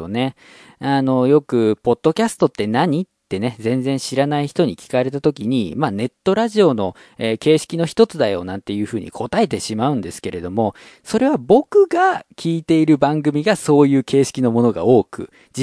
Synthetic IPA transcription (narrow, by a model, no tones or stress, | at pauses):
o̰ne̞ | ano̞jo̞kɯ̟po̞d̪̥ːo̞kʲasɨ̥t̪o̞t̪ːe̞naɲ̟itt̪ːe̞ned͡zẽ̞nd͡zẽ̞ɰ̃ɕiɾanaiçi̥t̪o̞ɲ̟ikʲi̥kaɾe̞t̪at̪o̞kʲiɲ̟imane̞t̪ːo̞ɾaʑio̞no̞ | eːke̞ːɕi̥kʲino̞çi̥t̪o̞t͡sɨd̪ajo̞̰ːnãnt̪e̞jɯ̟ːɸɯ̟ːɲ̟ʔḭkʰo̞t̪ae̞t̪e̞ɕimaɯ̟̃nd̪e̞sɨ̥ke̞ɾe̞d̪o̞mo̞ | so̞ɾe̞β̞abo̞kɯ̟ɡakʲʰiːt̪e̞iɾɯ̟bãŋɡɯ̟mʲiɡaso̞ːjɯ̟ːke̞ːɕi̥kʲino̞mo̞no̞ɡa̰o̞ːkɯ̟̰ | d͡ʑi